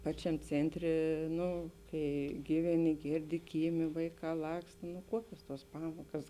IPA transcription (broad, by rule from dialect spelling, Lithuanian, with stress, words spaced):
ˈpɑːt͡ʃʲɛm ˈt͡sʲeːnʲˌtʲrʲeː ˈnʊ ˈkɐɪ ˈɡʲiːʋʲɛˌnʲɪ ˈɡʲeːrʲˌdʲɪ ˈkʲiːˌmʲeː ˈʋɐɪˌkɑː ˈlˠɐkst nʊ ˈkuɔkʲoːs tuɔs ˈpɑːmoːkɐs